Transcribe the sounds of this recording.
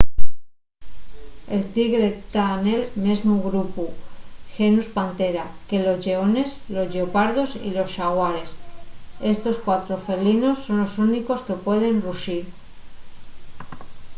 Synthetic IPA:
e̞lt̪iɣɾe̞t̪anelme̞zmuɣɾupuxenuspant̪e̞ɾake̞lo̞zʎe̞o̞ne̞slo̞zʎeopaɾðo̞sḭlo̞sʃaɣwaɾe̞se̞st̪o̞skwat̪ɾo̞fe̞lino̞sːo̞nlo̞suniko̞ske̞pwe̞ð̞e̞nruʃiɾ

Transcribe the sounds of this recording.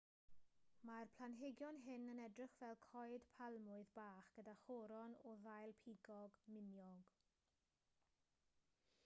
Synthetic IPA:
marpʰl̥ˠanɦeɡjɔnɦɪnənɛdrɪχv̥ɛlˠkʰɔɨd̥pʰalˠmʊɨðbaːχɡ̥ədaχɔɾɔnɔðajlˠpʰiɡɔɡmɪnjɔɡ

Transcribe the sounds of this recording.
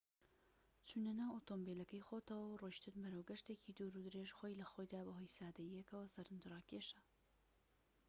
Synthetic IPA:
t͡ʃʰunɐnawot̪ombelɐkɐjxoːt̪ɐwɐwroʃt̪ʰɨɾmɨɾɐwɡɐʃt̪eːcʰid̪uːɾud̪ɨɾeʒxoːjlɐxoːjd̪aːbɐɦoːjsaːd̪ɐjijɐkɐwɐsɐɾɨnd͡ʒɾɑːkeʃɐ

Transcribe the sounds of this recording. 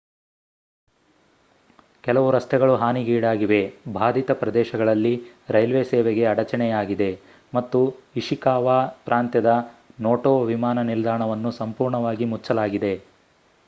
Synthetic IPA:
kɛlɐʋuɾɐst̪ɛɡɐɭuɦaːniɡiːɽaːɡiʋe̞bʱaːd̪ʱit̪ɐpɾɐd̪ɛːʃɐɡɐɭɐlːiɾɐjlʋeseːʋeɡe̞ɐɽɐt͡ʃɐɳɛjaːɡid̪e̞ | mɐt̪ːuiʂikaːʋaːpɾʔaːnt̪jɐd̪ɐnoːʈoːʋimaːnɐnild̪aːɳɐʋɐnːusɐmpuːɾɳɐʋaːɡimut͡ʃːɐlaːɡid̪e̞

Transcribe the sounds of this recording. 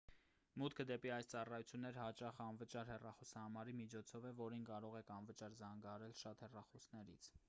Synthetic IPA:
mut̪kʰəd̪ɛpiɑjst͡sɑrɑjut͡sʰjunːɛɾəhɑt͡ʃɑχəɑnvət͡ʃɑɾhɛrɑχɔsɑhɑmɑɾimit͡ʃʰɔt͡sʰɔvɛvɔɾinkɑɾɔʁɛkʰɑnvət͡ʃɑɾzɑŋɡɑɑɾɛlʃɑt̪hɛrɑχɔsnɛɾḭt͡sʰ

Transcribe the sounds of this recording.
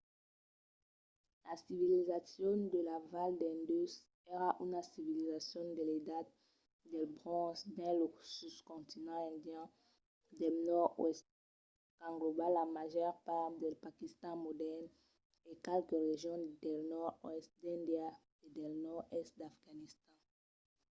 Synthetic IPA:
lasivilizasjɔ̃d̪əlavald̪ɛ̃nd̪ys | eʁaʔynasivilizasjɔ̃d̪eled̪at̪̚ | d̪ɛlbʁɔ̃sbɛ̃losydkɔ̃t̪inɑ̃ɛ̃d̪jɛ̃ | d̪ɛlnɔʁwɛst̪̚ | kɑ̃ŋɡlobalamaʒœʁpaʁd̪ɛlpakist̪ɑ̃mod̪ɛʁn | ekɛlkəʁeʒjɔ̃d̪ɛlnɔʁwɛst̪d̪ɛ̃nd̪ja | ed̪ɛlnɔʁɛst̪̚d̪afɡanist̪ɑ̃

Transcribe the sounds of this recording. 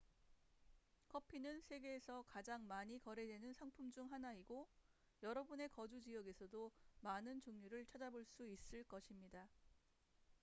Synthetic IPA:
kʰʌpʰinɯnsʰe̞ɡe̞ːsʰʌkad͡ʑaŋmaɲikʌɾe̞dwenɯnsʰaŋpʰumd͡ʑuŋɦanaiɡo | jʌɾʌbune̞kʌd͡ʑud͡ʑijʌɡe̞sʰʌdomanɯnt͡ɕoŋɲuɾɯɭt͡ɕʰad͡ʑaboɭs͈uis͈ɯɭk͈ʌɕʰimɲida

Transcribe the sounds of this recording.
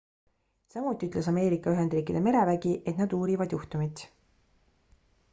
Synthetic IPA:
sɑmut̪ːˑiyt̪le̞sɑme̞ːɾikːˑɑyɦe̞nd̪riːkid̪̥e̞me̞ɾe̞væɡ̥iʔe̞t̪nɑd̪uːɾivɑd̪juht̪umit̪ˑ

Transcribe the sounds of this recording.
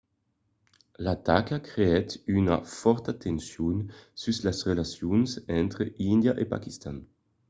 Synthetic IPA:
lat̪akakɾeɛt̪yna̰fɔɾt̪aat̪ensjonsyslasʁelasjonsɛnt̪ɾeind̪jaʔepa̰kist̪an

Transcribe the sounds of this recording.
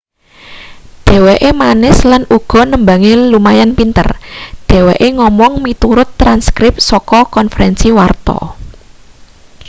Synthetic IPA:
ɖ̥e̤weʔemanɪslanuɡ̥ɔ̤nəmbaŋelumajanpint̪ə̰rɖ̥e̤weʔeŋɔmɔŋmit̪uɾʊt̪ːɾanskɾɪp̚sɔkɔkɔnfəɾɛnsiwart̪ɔ̰

